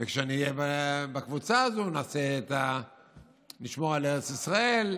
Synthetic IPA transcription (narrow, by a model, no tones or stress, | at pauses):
vekʃeaniːjebabakvut͡saazonaːseːt̪a | niʃmo̞ʁaleʁet͡sisʁae̞l